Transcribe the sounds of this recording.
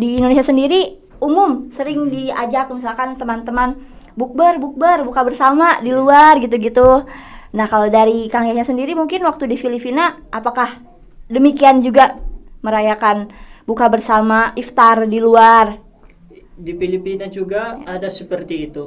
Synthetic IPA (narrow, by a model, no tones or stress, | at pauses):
diːndonesiasəndiɾi | umʊmsəɾɪŋdiad͡ʒak̚mis̬alkant̪əmant̪əmanbuk̚bərbuk̚bərbukabərsamadiluarɡit̪̬uɡit̪unahkalodaɾikaŋiaɲasəndiɾimuŋkɪnwak̚t̪udifilipinaʔapakah | dəmikiand͡ʒuɡaməɾajakanbukabərsamaʔift̪ardiluar | difilipinad͡ʒuɡaːdasəpərt̪iːt̪u